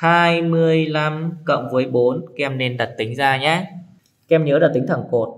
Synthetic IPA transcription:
haː˧jmɨ˧əjla˧mkə̰˧˨wŋ͡mvə˨˦əjɓo˨˦nkɛ˧mne˧nɗa˨˩t̚t̪ï˨˦ŋ̟zaː˧ɲaː˨˦ | kɛ˧mɲəː˨˦lɗaː˨˧˩t̪ï˨˦ŋ̟t̪ʰə˧˩ŋko˨˩t̚

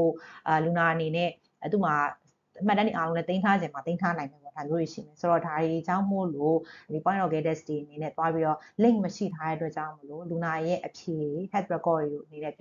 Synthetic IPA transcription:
o˨lu˨na˨ʔə˨ne˨nɛ˦ | t̪ṵ˦˨ma˨ | ma˦tːã˦ndi˨ʔa˦lõ˦ɛ˦t̪ẽ˦ɪ̃tʰa˦d͡ʑɪ̃˨ma˨t̪ẽ˦ntʰa˦nã˨ɪ̃mɛ˨bɔ˨da˨mjo˦ɹe˨ʃḭ˦˨mɛ˨so˨ɹɔ˦˨da˨ɾi˨d͡ʑã˦˨m̥o˦˨lo˦di˨pwã˦nɔ˨ɡɛ˨˦dɛ˦ste˨ʔəne˨nɛ˦t̪wa˦pi˦ɾɔ˦˨lẽ˦˨ɪ̃ŋməʃḭ˦˨tʰa˦ɾɛ̰˦ʔə˦t̬wɛ˦ʔt͡ɕã̰˦˨ʊ̃mo˦˨lo˦˨lu˨na˨jɛ̰˦ʔəpʰje˨hɛ˦t̪̚ɹɛ˦kɔ˦˨ɹi˨ɾo˦˨ʔəne˨nɛ̰˦˨

